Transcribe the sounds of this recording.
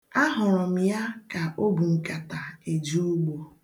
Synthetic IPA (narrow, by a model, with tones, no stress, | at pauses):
a˦ɦʊ˨ɾʊ˨m̩˨ja˦ka˨ʔo˦bu˨ŋ̩˨ka˨ta˨e˨d͡ʒu˦u˦ɡ͡bo˨